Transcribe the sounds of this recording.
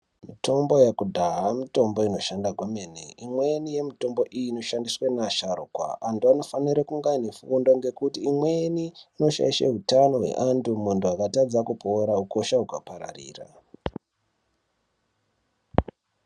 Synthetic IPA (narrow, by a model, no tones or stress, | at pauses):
mito̞mbo̞jakudʱaɦamito̞mbo̞ino̞ʃandaɡwameneimwenije̞mito̞mbo̞ʔijiːno̞ʃandiswenaʃaɾokwa̰antuano̞faniɾakuŋɡanefuːndoŋɡe̞kutiːmweniːno̞ʃa̰iʃa̰ɦutano̞ɦwe̞̰ʔandumuntuakatad͡zakupʰo̞ɾauko̞ʃaukapaɾa̰rḭːra̰